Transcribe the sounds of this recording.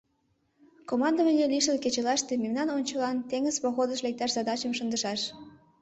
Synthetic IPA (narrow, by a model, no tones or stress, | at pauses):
komɑnd̪əmelʲeliʃəlket͡ɕelɑʃt̪ĕmemnɑnonʲt͡ɕəlɑnt̪eŋəzpoɣod̪əʃlek̚t̪ɑʃzɑd̪ɑt͡ɕəmʃə̆nd̪əʃɑʃ